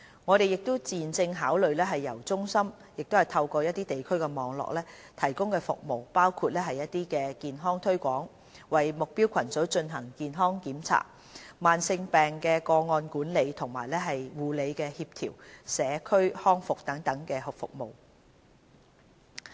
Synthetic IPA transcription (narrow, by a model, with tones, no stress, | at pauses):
ŋɔː˨˧ɾe˨jɪ˨k̚t̪o˥wt͡siː˨nt͡sɪ˧ŋɦaː˨˥wlɵ˨ɥlɛː˥ɦɐ˨jːɐ˨˩wt͡sʊ˥ŋsɐ˥m | jɪ˨k̚t̪o˥whɐ˨jt̪ʰɐ˧wkɔː˧jɐ˥t̚t̪iː˥t̪e˨jkʰɵ˥ɥkɛ˧mɔː˨˧ŋlɔ̰ː˨k̚lɛː˥ | t̪ʰɐ˨˩jkʊ˥ŋkɛː˧fʊ̰˨k̚mo˨˩wpaː˥wkʰuː˧t̚lɛː˥ɦɐ˨jːɐ˥t̚t̪iː˥kɛː˧kiː˨nɦɔː˥ŋt̪ʰɵ˥ɥkʷɔː˨˥ŋ | wɐ˨jmʊ˨k̚piː˥wkʷʰɐ˨˩nt͡sɵ˨˥wt͡ʃɵ˧nɦɐ˨˩ŋkiː˨nɦɔː˥ŋkiː˨˥mt͡sʰa̰ː˨˩t̚ | maː˨nsɪ˧ŋpɛː˨ŋkɛː˧kɔː˧ŋɔː˧nkuː˨˥nle˨˧jt̪ʰʊ˨˩ŋmaː˨˩jlɛː˥ɦɐ˨jwuː˨le˨˧jkɛː˧hiː˧p̚t̪ʰḭː˨˩wsɛː˨˧˥kʰɵ˥ɥhɔː˥ŋfʊ˨k̚t̪ɐ˨˥ŋt̪ɐ˨˥ŋkɛː˧hʊ˨k̚fʊ̰˨k̚mo̰˨w